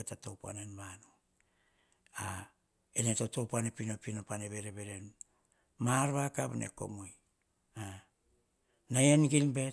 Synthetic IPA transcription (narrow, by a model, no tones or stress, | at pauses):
etatowpa̰nenmano | a | enetoto̞panepino̞pinopaneβe̞ɾeβe̞ɾe̞n | maɾβakaβnʔḛko̞̰moj | a | najenɡilbe̞